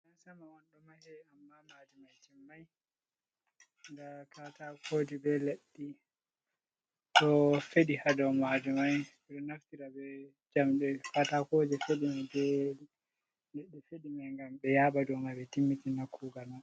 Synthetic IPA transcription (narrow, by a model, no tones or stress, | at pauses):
nansamawanɗɔmahɛamːamadimat͡ʃimːaj | ŋɡakatakʰod͡ʒɛbɛleɗːi | ɗɔfeɗihadɔwmadimaj | ɛɗɔnaftiɾabɛ | d͡ʒamɗɛfatakod͡ʒɛfeɗimadɛli | leɗːifeɗimajŋɡambɛjaɓadɔmajbɛtimːitinakʰːuɡalma